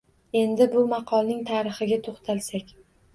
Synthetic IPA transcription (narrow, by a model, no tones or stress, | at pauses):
e̞nd̪ɪbʊmɑqʰɒlˠnɪŋt̪ʰaːɾɨχɪɡʲat̪ʰoχt̪ʰalsakʲ